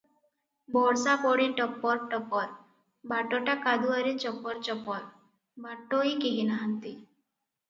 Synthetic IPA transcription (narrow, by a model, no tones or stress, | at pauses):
bɔɽsapɔɽiʈɔpːɔɾʈɔpɔɾ | baʈɔʈakad̪uaɾit͡ʃɔpːɔɾt͡ʃɔpɔɾ | bʱaʈːoikiɦinaɦant̪i